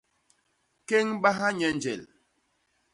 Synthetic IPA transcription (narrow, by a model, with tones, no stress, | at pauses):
ke˦ŋɓa˦ɦa˦ɲɛ˦nd͡ʒɛ̰˨l